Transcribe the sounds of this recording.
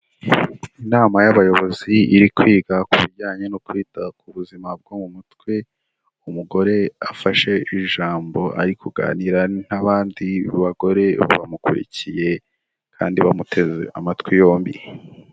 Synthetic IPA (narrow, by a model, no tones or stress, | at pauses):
inaːmajaβajo̞βo̞ziːɾikwiːɡakuβiɟaːɲe̞nokwiːtakuβuzimab̚ɡomumutkwe̞ | umuɡo̞ɾe̞afaʃe̞iʒaːmbo̞ʔa̰ɾikʰuɡa̰ːniɾan̥aβaːndiβaɡo̞ɾe̞βa̰mukuɾḭcije̞ | kʰa̰ːndiβamutʰe̞zḛʔa̰matkwijo̞ːmbḭ